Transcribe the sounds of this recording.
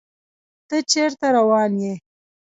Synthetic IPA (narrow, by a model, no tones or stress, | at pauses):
t̪ət͡ʃeɾt̪aɾawɑːnje